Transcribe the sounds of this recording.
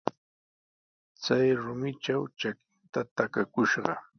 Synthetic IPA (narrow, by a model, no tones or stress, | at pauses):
t͡sajɾʊmɪt͡ʃawt͡ʃakɪnt̪at̪akakʊʃɢɑ̰